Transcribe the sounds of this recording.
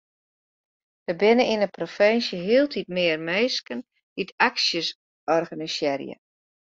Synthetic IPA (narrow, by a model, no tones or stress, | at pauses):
d̥əbɪnəinəprofɛnsjəɦiəlˠtʰit̚mɪərmeːskən | ditʰaksjəs | ɔrɣanisjɛrjə̰